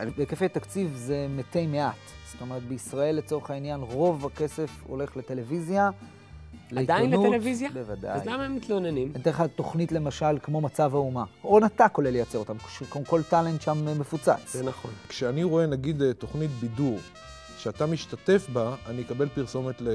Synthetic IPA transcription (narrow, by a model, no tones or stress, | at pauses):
bekefet̪akt͡sivze̞metejmeʔat | stomeʁat̪̚beisʁae̞lːet͡so̞eχainjanʁo̞vake̞se̞fo̞̰le̞χlete̞le̞vizja | leit̪dainneuetevizjabevada̰zjlamaemit̪lonenimet̪eχat̪o̞χnitle̞maʃalkmo̞mat͡savaumaonat̪ako̞lelːejat͡se̞ʁo̞t̪amʃekoko̞ltale̞nt̪ʃammefut͡sa̰t͡szenaχonkʃeaniʁo̞e̞naɡid̪to̞χnit̪biduʁ | kʃeatamiʃtate̞fbaːnikabe̞lpiʁso̞met̪le